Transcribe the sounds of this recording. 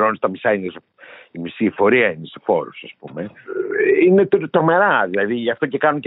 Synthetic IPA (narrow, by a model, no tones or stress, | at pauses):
ɾonst̪ɐmisɐins | imisiːfo̞ɾiɐinest̪efo̞ɾṵsɐspume̞ | ine̞t̪t̪ɾo̞me̞ɾɐðilɐðiʝɐft̪o̞cekɐnunce